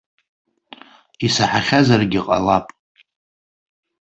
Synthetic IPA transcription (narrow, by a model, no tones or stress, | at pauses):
isaħaχʲazarɡʲiqʼa̰lapʼ